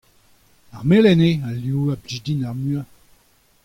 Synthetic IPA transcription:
aʁmelɛnealjuːablid̪inaʁmya

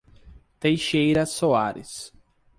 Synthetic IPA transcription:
t̪ejʃejɾɐsoaɾɪ̰s

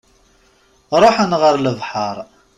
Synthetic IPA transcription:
ɾˤoħənʁəɾləvħəɾˤ

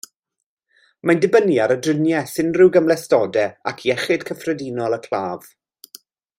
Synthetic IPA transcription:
mandɪbənjaɾədrɪnjɛsɪnrɪwɡəmlˠɛstɔːdɛakʰiɛχɪd̥kʰəfrɛdiːnɔlˠəkʰl̥ˠaːv̥

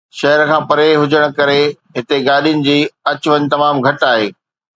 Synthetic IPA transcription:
ʃɐɦəɾkʰãːpɐɾeɦʊd͡ʑəɽ̃̆kɐɾe | ɦɪt̪eɡaːɗijʊnɪ̆d͡ʑiːɐt͡ɕʊʋəɲt̪ɐmaːmɡʱɐʈaːɦeː

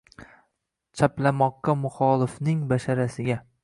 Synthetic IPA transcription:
t͡ʃʰaplamɒqːɑmʊχɒlˠɪfnɪŋbaʃaɾasɪɡʲa

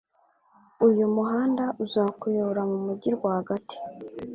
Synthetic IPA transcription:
ujumuɦaːndaʔuzaːkujooɾamumuɟiɾɡwahaɡati̥

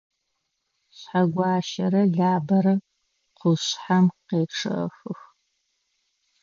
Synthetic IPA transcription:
ɕħaɡʷɑːʃɐɾɐɮaːbɐɾɐ | qʷʊɕħamqeːpʈ͡ʂʰɨ̰xɨx

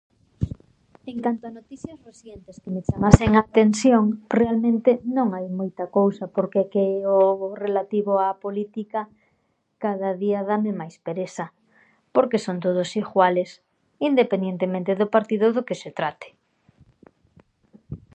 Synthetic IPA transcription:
eŋkant̪oanot̪iθjɐsreθjent̪ɪskɪmɪt͡ʃamaseŋat̪ensjoŋrealmẽnt̪ɪnõŋajmojt̪ɐkowsɐpoɾkɛkeɛorelat̪iβʊapolit̪ikɐ | kaðaðiɐðamɪmajspeɾesɐ | poɾkesont̪oð̞ʊsiɣwales | ind̪epend̪jent̪emẽnt̪eðopaɾt̪iðʊðokeset̪ɾat̪ɪ̥

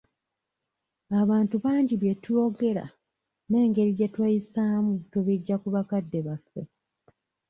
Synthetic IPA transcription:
aβaːntuβaːɲɟiβjetujo̞ɡe̞ɾa̰ | ne̞ːŋɡe̞ɾiɟetwajisamuteβiɟːakuβakadːe̞βafːe̞̰

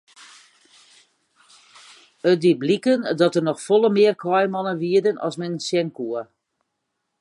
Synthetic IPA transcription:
ət̚diblikəndɔtərnɔxfɔlˠəmɪərkʰɔjmɔnəʋiədənɔ̰smɛnsjɛnkuə

